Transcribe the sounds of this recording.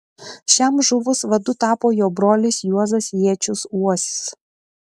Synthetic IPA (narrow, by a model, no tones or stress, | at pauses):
ʃʲɛmʒʊʋʊsʋɐd̪ʊt̪ɑːpoːjoːbɾoːlʲɪsjuɔzɐsjiɛt͡ʃʲʊsuɔsʲɪ̥s